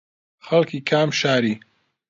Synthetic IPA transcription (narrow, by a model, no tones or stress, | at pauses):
xɐlkʰiːkʰaːmʃaːɾiː